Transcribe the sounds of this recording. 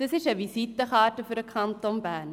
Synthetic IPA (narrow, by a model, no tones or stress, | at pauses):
d̥əsɪʃəʋisitəχɑːtəfyɾəkʰɑntonbæn